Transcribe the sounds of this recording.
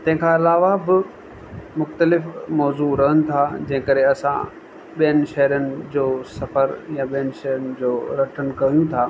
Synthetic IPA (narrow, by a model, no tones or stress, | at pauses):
t̪ɐ̃ɦɪ̃kʰãɪlaːʋabɪ | mʊxt̪əlɪfmɔːzuɾɐɦənɪ̆t̪ʰad͡ʑɐ̃ɦɪ̃kɐɾeɐsã̰ | ɓijənɪ̆ʃɐɦəɾənɪ̆d͡ʑoːsɐfəɾjãɓijənɪʃɐɦɾənɪ̆d͡ʑoːɾɐʈʰənkɐʋijũt̪ʰaː